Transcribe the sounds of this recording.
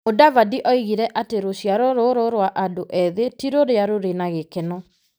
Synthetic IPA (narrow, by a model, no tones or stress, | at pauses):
odavadiʔɔiɣiɾɛʔateɾoɕijaɾɔɾoɾoɾwaʔadoʔɛðetiɾoɾeaɾoɾenaɣekɛnɔ